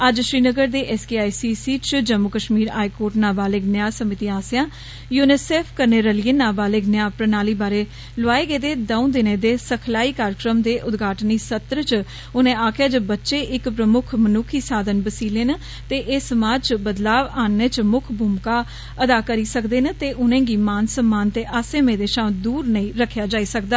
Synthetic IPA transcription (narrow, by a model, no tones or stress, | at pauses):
əd͡ʒʃɾiːnəɡəɾd̪eːʔɛːskiaːiːsiːsiːt͡ʃd͡ʒəmːʊkəʃmiːɾaːikoːɾʈnaːbaːleːɡnjaːsəmɪt̪iːaːsjãː | juːnɪseːpʰkəɾneːɾəliːənaːbaːleːɡnɪjaːpɾənaːliːbaːɾeː | lʊaːeːɡeːd̪eːd̪əũːd̪ɪnẽːd̪eːsəkʰlaːiːkaːɾəkɾəmd̪eːʔʊd̪ɡʱaːʈniːsət̪ɾət͡ʃ | ʊnẽːaːkʰjaːd͡ʒobətːʃeːʔɪkpɾəmʊkʰmənuːkʰiːsaːd̪ənbəsiːleːnə | t̪eːʔɪːsəmaːd͡ʒt͡ʃbəd̪laːʋaːnːẽːt͡ʃmʊkʰbʱʊmkaː | əd̪aːkəɾiːsəkd̪eːnət̪eːʔʊnẽːɡiːmaːnsəmːaːnt̪eːʔaːsẽːmẽːd̪eːʃãːd̪uːɾnəĩːɾəkʰːjaːd͡ʒaːiːsək̚d̪aː